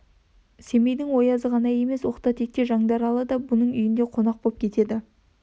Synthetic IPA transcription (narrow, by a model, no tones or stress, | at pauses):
se̞me̞jd̪ɪŋwo̞jɑzəʁɑnɑje̞me̞swo̞qt̪ɑt̪ʰe̞k̚t̪e̞ʒɑŋd̪ɑɾɑlˠəd̪ɑbʊnəɴʏjɪnd̪e̞qʰo̞nɑq̚b̥op̚kʲʰe̞t̪e̞d̪ɪ